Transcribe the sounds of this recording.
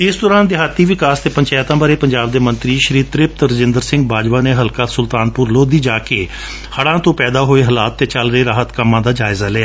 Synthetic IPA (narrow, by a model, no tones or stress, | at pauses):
ɪsd̪ɔːɾãːnd̪ɪɦaːt̪ːiːʋɪkaːst̪eːpəɲt͡ʃɛːt̪ãːbaːɾeːpəɲd͡ʒaːbd̪eːmə̃nt̪ɾiːʃəɾiːt̪ɾɪp̚t̪ɾəd͡ʒɪ̃nd̪əɾsɪ̃ŋɡ̚baːd͡ʒʋaːneːɦəlkaːsʊlt̪aːnpʊɾloːd̪iːd͡ʒaːkeː | həɽãːt̪õːpɛːd̪aːɦoːeːɦəlaːt̪ːeːt͡ʃəlɾəeːɾaːɦət̪kəmːãːd̪aːd͡ʒaːɪzaːlɛːa